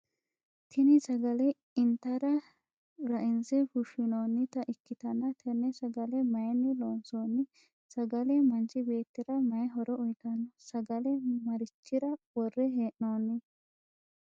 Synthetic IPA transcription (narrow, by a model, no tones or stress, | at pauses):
t̪ʰɪnɪsɐɡɐlɛ | ɪnt̪ːɐɾɐ | ɾɐʔɪnzɛhʊʃɪnoːnːɪt̪ɐʔɪkːɪt̪ɐnːɐt̪ʰɛnːɛsɐɡɐlɛmɐjɛnːɪloːnsoːnːɪ | sɐɡɐlɛmɐnt͡ʃɪbe̞ːt̪ːɪɾɐmɐjɛɦɔɾɔʊjkɐnːɔsɐɡɐlɛmɐɾɪt͡ʃːɪɾɐwɔrːɛɦeːʔnoːnːɪ